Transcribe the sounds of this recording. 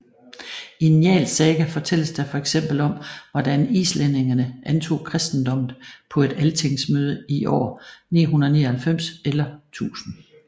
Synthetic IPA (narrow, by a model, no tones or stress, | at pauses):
injɛ̰ːlsɛːɡ̥æfɒ̽t͡sʰel̰əsd̥æfɒ̽eɡ̥sem̰b̥l̩ɒ̽m̰ʋɒdænḭːslene̝ŋɐnəʔænt͡sʰo̝̰ːkʰʁɛsd̥n̩d̥ɒ̽m̰ð̩ˠpʰɒ̽e̝d̥ælt͡sʰe̝ŋ̰smøːð̞ˠəiʔɒ̰ːnḭːɦunɐənḭːɐhælfem̰selɐt͡sʰṵːsn̩